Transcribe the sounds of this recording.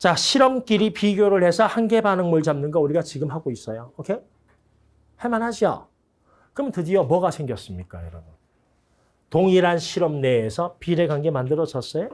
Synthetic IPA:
t͡ɕaɕʰiɾʌmk͈iɾipiɡjoɾɯɭhe̞sʰʌhanɡe̞banɯŋmuɭd͡ʑamnɯnɡʌuɾiɡat͡ɕiɡɯmɦaɡois͈ʌjoʌkʰe | he̞manɦad͡ʑio̰ | kɯmɯntɯdiʌmwʌɣasʰe̞ŋɡjʌs͈ɯmɲik͈ajʌɾʌbun | toŋiɾanɕʰiɾʌmne̞ːsʰʌpiɾe̞ɡanɡe̞mandɯɾʌd͡ʑʌs͈ʌjo

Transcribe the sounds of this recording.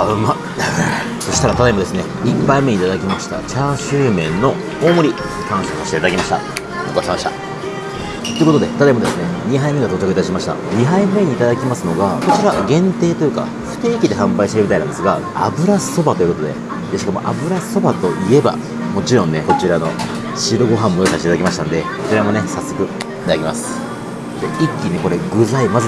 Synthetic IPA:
ama | so̞ɕi̥t̪aɾat̪at̪aimo̞d̪e̞sɨneipːaimeit̪ad̪akʲimaɕi̥t̪a̰t͡ɕaɕɨːmẽ̞nːo̞ | oːmo̞ɾʲi | kãɰ̃sasaɕi̥t̪eːt̪ad̪akʲimaɕit̪a̰ | o̰t̪oasmaɕit̪a̰ | t̪o̞jɯ̟kot̪od̪e̞t̪at̪aeimod̪e̞sɨne̞ɲ̟iɦaimeɡat̪oːt͡ɕakɯ̟t̪aiɕimaɕi̥t̪a̰ɲ̟iɦaiɯmeɲ̟iːt̪ad̪akʲimasɨno̞ɡako̞t͡ɕiɾaɡẽ̞nt̪e̞ːt̪o̞jɯ̟ka̰ | ɸɯ̟̥t̪e̞ːkʲid̪e̞ɦãmbaiɕit̪eɾɯmʲit̪ainãnd̪e̞sɨɡaa̰bɯ̟ɾḁso̞bat̪o̞jɯ̟ko̞t̪o̞d̪e̞̰ | d̪eɕikamo̞̰ʔa̰bɯ̟ɾaso̞bat̪o̞ʔie̞ba̰ | mo̞t͡ɕiɾõ̞nːe̞ko̞t͡ɕiɾano̞ | ɕiɾoɡo̞ɦãmːojosaɕit̪et̪ad̪akʲimaɕit̪ã̰nod̪eko̞t͡ɕiɾamo̞ne̞sasːo̞kɯ̟ | it̪ad̪akʲimasɨ̥ | d̪e̞ikʲːine̞ko̞ɾe̞ɡɯ̟zaimazɨ

